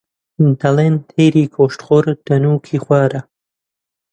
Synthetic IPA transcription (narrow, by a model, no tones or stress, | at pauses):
nt̪alent̪ʰeːɾiːkʰoʂʈχoɾd̪̥ɐnuːkʰixwʷaːɾa